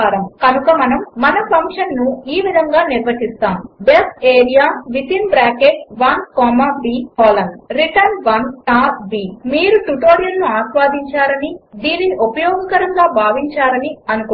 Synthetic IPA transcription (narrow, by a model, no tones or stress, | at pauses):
aːɾɐmkɐnukɐmɐnɐmːɐnɐpʰɐŋkʂɐnnuiːʋid̪ʱɐŋɡaːniɾʋɐʈist̪aːmbesʈeːɾijaːʋit̪inbɾaːkeʈ̚ʋɐnkɔːmaːbiːkɔːlɐnɾiʈɐnʋɐnʈaːɾbiːmiːɾuʈuʈoːɾijɐlnuaːʃʋaːd̪ʱiɲt͡ʃaːɾɐnid̪iːnːiʔopɐjɔːɡɐkɐɾɐŋɡaːbʱaːʋiɲt͡ʃaːɾɐniɐnuku